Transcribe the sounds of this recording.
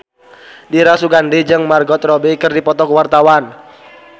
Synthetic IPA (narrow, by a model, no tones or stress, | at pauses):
diɾasuɡandid͡ʒɨŋmarɡɔt̪rɔbekɨrdipɔt̪ɔkwart̪awan